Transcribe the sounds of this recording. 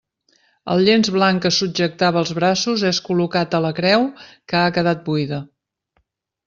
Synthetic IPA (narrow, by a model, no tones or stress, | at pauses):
ə̰lˠʎenzβlaŋkəsuʒək̚t̪aβəːlˠzβɾasuzeskulukat̪ələkɾɛwkəakəðat̪̚buiðə